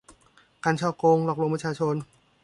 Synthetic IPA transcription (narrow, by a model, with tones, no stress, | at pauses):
kaː˧nt͡ɕʰɔː˧˩koː˧ŋlɔː˨˩k̚ɾu˧pʰa˧˥t͡ɕʰaː˧˩t͡ɕʰo˧n